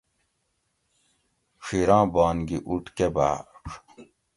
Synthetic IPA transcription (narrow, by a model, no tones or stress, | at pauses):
ʂiɾãːbɑːnɡiʔuʈkeba̰ːʂʰ